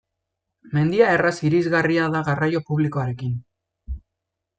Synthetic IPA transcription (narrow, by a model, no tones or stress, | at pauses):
me̞nd̪iae̞rasiɾizɣariaðaɣarajo̞puβlikoaɾe̞kin